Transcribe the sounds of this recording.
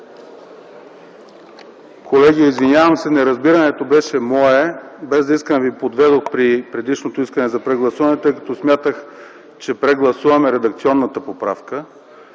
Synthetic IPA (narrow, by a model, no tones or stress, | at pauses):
kʰolɛɡiɛizvinʲjavɐmsɛnɛɾɐzbiɾɐnɛt̪obɛʃɛmɔɛbɛzd̪ɐiskənɛvipod̪vɛd̪oxpɾipɾɛd̪iʃnot̪oiskənɛzɐpɾɛɡlˠɐsuvɐnɛt̪ɤjkɐ̥t̪ɔsmʲjat̪əx | t͡ʃɛpɾɛɡlˠɐsuvɐmɛɾɛd̪ɐkt̪siɔnːət̪əpopɾa̰fkə